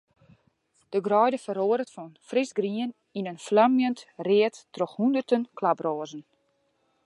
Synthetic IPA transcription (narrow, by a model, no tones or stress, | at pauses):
d̥əɡrɔjdəfəɾoːɾətfɔnfrisɡriən | inənflamjəntrɪəttroxhundərtənklabroːzən̩